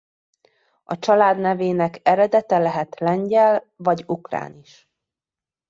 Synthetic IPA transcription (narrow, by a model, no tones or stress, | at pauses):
ɒt͡ʃɒlaːd̪nɛveːnɛkɛɾɛd̪ɛt̪ɛlɛɦɛt̪lɛɲɟɛl | vɒɟukra̰ːniʃ